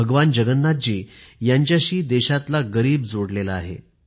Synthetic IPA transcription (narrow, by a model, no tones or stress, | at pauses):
əɡʋand͡ʑəɡənːat̪̚d͡ʑiːjaɲt͡ɕjaɕiːd̪ɛɕat̪laɡəɾiːbd͡zoɽlelaaɦḛ